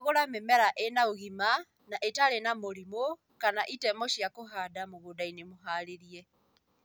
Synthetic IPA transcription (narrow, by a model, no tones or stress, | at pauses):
ɣoɾamemɛɾaʔenaoɣima | naʔetaɾenamoɾimo | kanaʔitɛmɔʃjakoɦadamoɣodainemoɦaɾeɾiɛ